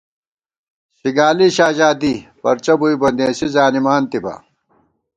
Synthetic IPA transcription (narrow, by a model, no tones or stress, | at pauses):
ɕiɡaːliɕaːʑaːd̪ipɐ̰ɾt͡ɕɐbuibɐnd̪ẽːsizaːnimaːnt̪ibɐ̰